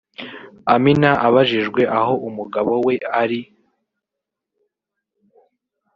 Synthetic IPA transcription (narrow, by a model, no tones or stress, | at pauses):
aminaʔaβaʒiʒɡwe̞ʔaɦo̞ʔumuɡaβo̞we̞aɾi